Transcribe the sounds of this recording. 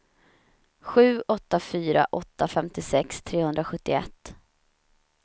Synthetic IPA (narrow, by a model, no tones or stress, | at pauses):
ɧʉ̟ːʔɔt̪ːafyːɾa̰ʔɔt̪ːafɛmt̪ɪsɛkst̪ʰɾeːhɵnd̪ɾaɧɵt̪ːɪɛ̰t̪ː